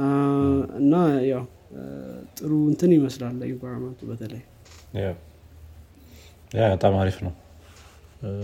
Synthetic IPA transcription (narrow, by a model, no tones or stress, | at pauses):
ɨ̰nːajaw | t̪ʼɨɾuɨnt̪ʰɨnjɪməslalːəɪkʷaɾamat̪ʰubət̪ʰələj | jaw | jabət̪ʼamaɾifnəw